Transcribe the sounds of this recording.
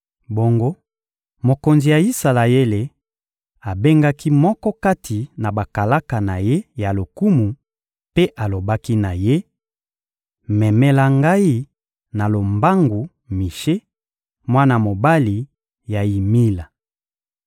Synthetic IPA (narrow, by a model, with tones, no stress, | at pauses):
bo˨ŋɡo˦ | mo˨ko˨nzi˨ja˨i˦sa˨la˨e˦le˨ | a˨be˦ŋɡa˦ki˦mɔ˦kɔ˦ka˦tʰi˨na˨ba˨ka˨la˦ka˨na˨je˦ja˨lo˨ku˦mu˨ | pe˦ʔa˨lo˨ba˦ki˦na˨je˦ | mɛ˨mɛ˦la˦˨ŋɡa˦i˦ | na˨lo˨mba˦ŋɡu˨ | mi˨ʃe˦ | mwa˦na˨mo˨ba˦li˨ | ja˨i˨mi˦la˨